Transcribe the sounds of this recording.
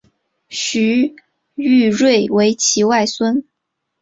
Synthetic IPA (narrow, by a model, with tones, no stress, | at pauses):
ɕy˧˥ | y˥˧ɻwe˥˩ɪwe˧˥ɪt͡ɕʰi˧˥wa˥˩ɪswə˥n